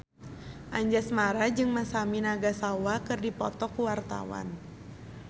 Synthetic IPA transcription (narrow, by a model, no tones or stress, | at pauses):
ʔaɲd͡ʒasmaɾad͡ʒɨŋmasaminaɡasawakɨrdipɔ̰t̪ɔkuwart̪a̰wa̰n